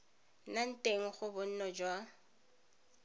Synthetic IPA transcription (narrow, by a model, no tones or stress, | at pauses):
nan̩tʼeŋ̩χʊbʊn̩nɔd͡ʒwa